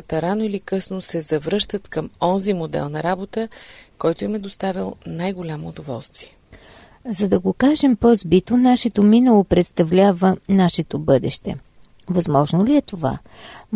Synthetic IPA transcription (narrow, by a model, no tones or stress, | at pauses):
t̪ɐɾanoilikɤsnosɛzɐvɾɤʃt̪ət̪kəmɔnzimod̪ɛ̰lˠnɐɾabot̪əkɔjt̪ʊimɛd̪ost̪avilˠnajɡolʲamoːd̪ovɔ̰lˠst̪viɛ | zɐd̪ɐɡokaʒɛmpɔzbit̪onaʃɛt̪ominəlˠopɾɛt̪st̪ɐvlʲavənaʃɛt̪obɤd̪ɛʃt̪ɛ̰ | vɐzmɔʒnoliɛt̪ova̰